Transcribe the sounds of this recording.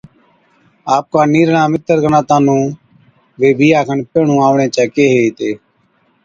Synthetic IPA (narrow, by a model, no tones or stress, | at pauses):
aːp̚kaːniːɾɳãːmɪt̪əɾkənaːt̪ãːnũː | ʋeːbʱiːaːkʰəɳpeːɳũːaːʋɳẽːt͡ʃɛːkeːɦeːt̪eː